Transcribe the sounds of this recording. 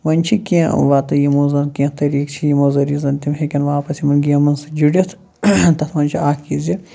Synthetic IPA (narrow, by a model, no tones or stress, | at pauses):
ʋɐnʲt͡ʃʰikẽʋaːt̪ɐjimozɐnkẽt̪ɐɾiːkt͡ʃʰijimozɐɾizɐnt̪ʲimɦekʲinʋaːpɐsimɐnɡiɐmɐnsɨd͡ʒiɽʲɐt̪ʰ | t̪ɐt̪ʰʋɐnʲt͡ʃʰiaːkizʲi